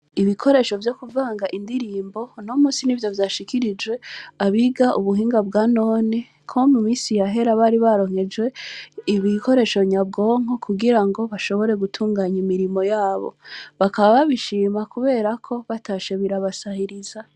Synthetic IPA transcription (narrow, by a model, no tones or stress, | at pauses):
iβikʰo̞ɾe̞ʃo̞vjo̞kuvaːŋɡaʔindiɾiːmbo̞no̞muːsinivjo̞vjaːʃikiɾid͡ʒwe̞aβiɡaʔuβuɦiːŋɡabɡaːno̞ːni | kʰo̞mumiːsijaɦe̞ɾaβaɾiβaɾo̞ŋhe̞d͡ʒwe̞iβikʰo̞ɾe̞ʃo̞ɲab̚ɡo̞ːŋ̥okʰuɡiɾaŋɡo̞βaʃo̞βo̞ɾe̞ɡutʰuːŋɡaːɲimiɾimo̞jaːβo̞̰βakaβaβaβiʃiːmakuβe̞ːɾakʰo̞βataʃe̞βiɾaβasahiɾiza